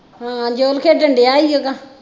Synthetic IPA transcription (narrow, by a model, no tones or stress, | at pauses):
ɦãːd͡ʒoːlkʰeːɖəɳɖeːaːiːoːkãː